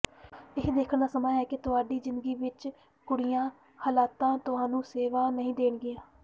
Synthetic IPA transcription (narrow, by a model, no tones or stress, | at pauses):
ɪɦd̪eːkʰəɳd̪aːsəmaːjɛːkɪt̪ʊɦaːɖiːzɪnd̪əɡiːʋɪt͡ʃ | kʊɽɪjãː | həlaːt̪ãːt̪ʊɦãːnũːseːʋaːnəɦĩːd̪eːɳɡɪjãː